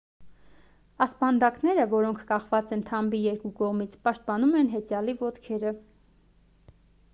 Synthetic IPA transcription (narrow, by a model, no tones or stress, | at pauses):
ɑspɑnd̪ɑknɛɾəvɔɾɔŋkʰkɑχvɑt͡sɛnt̪ʰɑmbijɛɾkukɔʁmit͡sʰpɑʃt̪̚pɑnumɛnɦɛt͡sjɑlivɔt̪kʰɛɾə